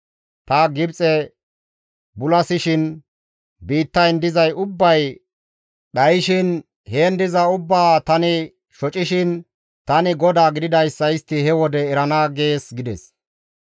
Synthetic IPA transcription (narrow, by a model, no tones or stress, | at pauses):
t̪ɐɡɪbt͡sʼɛ | bʊlɐsɪʃɪn | biːt̪ːɐjnd̪ɪzɐjʊbːɐj | ɗɐjʃɪn | hend̪ɪzɐʊbːaːt̪ɐnɪ | ʃɔt͡ʃʼɪʃɪn | t̪ɐnɪɡɔd̪aːɡɪd̪ɪd̪ɐjsːɐjɪst̪ːɪhɛwɔd̪ɛːɾɐnaːɡeːsɡɪd̪ɛs